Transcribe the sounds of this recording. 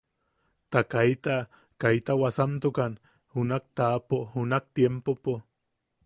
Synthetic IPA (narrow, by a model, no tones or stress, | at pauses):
t̪akajt̪a | kajt̪awasant̪ukan | hunak̚t̪aːpohunak̚t̪jempopo